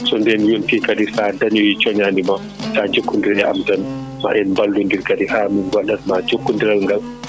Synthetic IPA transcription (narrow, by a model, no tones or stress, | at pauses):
sɔndɛnjontikadisadaɲɔwit͡ʃɔɲanima | tad͡ʒokʰːundiɾɛʔa̰mtan | ma̰ʔɛnmbalːdundiɾkadihaːminwaɗanmad͡ʒokːundiɾalŋɡal